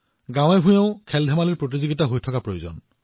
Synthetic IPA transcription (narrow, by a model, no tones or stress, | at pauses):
ɡãwɛbʱũjɛ̃ʊ̃kʰɛldʱɛmaliɹpɹot̬iziɡitaɦojtʰɔkapɹojozɔ̰n